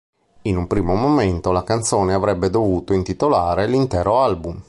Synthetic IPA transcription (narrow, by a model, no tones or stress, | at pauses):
inumpɾiːmomoment̪olakant̪soːneavɾɛbːed̪ovuːt̪oint̪it̪olaːɾelint̪ɛːɾoalbum